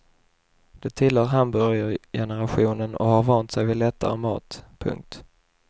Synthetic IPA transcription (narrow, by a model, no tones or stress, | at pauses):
d̪̥ɛt̪ʰɪlhœːɾɦambɵɾjəɾjɛnəɾaɧuːnənɔ̰haɾvɑːnt̪sɛjvɪd̪lɛt̪ʰːa̰ɾəmɑ̰ːt̪pʰɵ̰ŋk̚t̪